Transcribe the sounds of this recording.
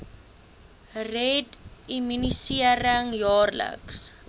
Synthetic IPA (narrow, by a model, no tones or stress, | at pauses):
rɛdimynisiəɾəŋjɑːrlə̰ks